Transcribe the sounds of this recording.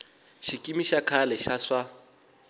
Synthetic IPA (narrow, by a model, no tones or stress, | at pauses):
ʃikʼimiʃakʰalɛʃaʂa